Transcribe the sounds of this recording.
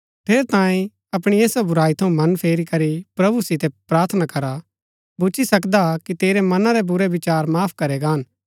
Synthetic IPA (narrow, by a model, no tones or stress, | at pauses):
pʰeːɾt̪ãːĩ | ɐpɽ̃ieːsabʊɾaːit̪ʰɐũmɐnpʰeːɾikɐɾipɾɐbusɪt̪ɛpɾaːɾt̪ʰnakɐɾa | bʊt͡ʃʰisɐk̬d̪akit̪eːɾɛmɐnaɾɛbʊɾeʋɪt͡ʃaːɾmaːpʰkɐɾɛɡaːn